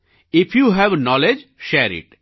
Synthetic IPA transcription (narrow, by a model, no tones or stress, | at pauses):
ɪfʰjuɦɛʋnɔled͡ʒʃɛːɾɪ̰ʈ